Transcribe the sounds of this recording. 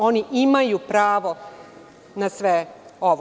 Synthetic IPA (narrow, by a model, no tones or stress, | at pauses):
oniʔimajupɾaːʋo | nasʋeoʋ